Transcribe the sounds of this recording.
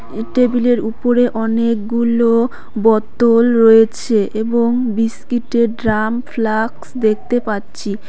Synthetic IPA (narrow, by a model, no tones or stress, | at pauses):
ʈebileɾupoɾeʔɔnek̚ɡulo | bɔt̪olɾojet͡ɕʰeʔeboŋbiskiʈeɖɾamflaksd̪ek̚ʰt̪epatːɕʰi